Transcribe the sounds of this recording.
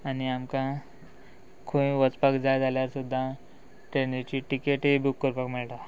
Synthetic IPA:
aniamkã | kʰuĩʋət͡spakd͡zajd͡zaljaɾsud̪ʱːã | ʈɾenit͡ɕiʈikeʈibukːəɾpakmiɭʈa

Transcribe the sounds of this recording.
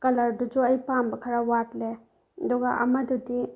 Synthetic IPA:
kɐlɐɾdud͡ʒuɐjpambɐkʰɐɾawatle | ɐdɔɡaʔɐ̰mɐdudi

